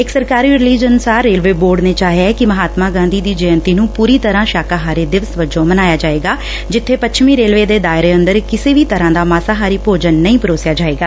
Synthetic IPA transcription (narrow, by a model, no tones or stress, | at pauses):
ɪksəɾkaːɾiːɾɪliːd͡ʒənsaːɾːeːlʋeːboːɾɖneːt͡ʃaːɦjaɛkɪməɦaːt̪maːɡãːnd̪iːd̪iːd͡ʒəjənt̪iːnũːpuːɾiːt̪əɾãːʃaːkaːɦaːɾeːd̪ɪʋəsʋəd͡ʒõːmənaːjaːd͡ʒaːeːɡaː | d͡ʒɪt̪ʰːeːpətːt͡ʃʰʃʰmiːɾeːlʋeːd̪eːd̪aːɪɾeːənd̪əɾkɪseːʋiːt̪əɾãːd̪aːmaːsaːɦaːɾiːpoːd͡ʒənːəĩːpəɾoːsɪjaːd͡ʒaːeːɡaː